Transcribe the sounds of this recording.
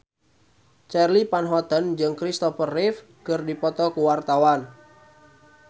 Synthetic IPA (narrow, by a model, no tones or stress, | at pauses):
t͡ʃɛrlipanɦɔt̪ənd͡ʒɨŋkɾist̪ɔfərɪf | kɨrdipɔt̪ɔkuwart̪awan